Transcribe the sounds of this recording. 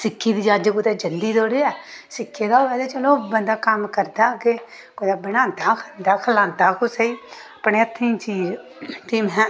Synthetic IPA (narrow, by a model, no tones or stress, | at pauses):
sɪkʰːiːd̪iːd͡ʒaːd͡ʒkʊt̪eːd͡ʒəld̪iːd̪oːɽeːɛːsɪkʰːeːd̪aːoːɛːd̪eːt͡ʃəlõːbənd̪aːkəmkəɾd̪aːke | koːd̪aːbɪnãːnt̪aːkʰənd̪aːkʰəlãːnt̪aːkʊsəiː | pɳeːət̪ʰːĩːt͡ʃiːd͡ʒt̪iːmɛ̃ː